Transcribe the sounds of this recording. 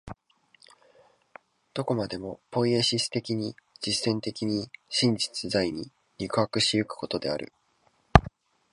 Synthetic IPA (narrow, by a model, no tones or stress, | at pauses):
d̪̥o̞ko̞mad̪e̞mo̞po̞ieɕisɨ̥t̪e̞kʲiɲ̟id͡ʑisẽ̞nt̪e̞kʲiɲ̟iɕĩɲ̟d͡ʑi̥t͡sɨzaiɲ̟i | ɾʲikɯ̟hakɯ̟ɕijo̟kɯ̟̥ko̞t̪o̞d̪e̞aɾʔɯ̟̰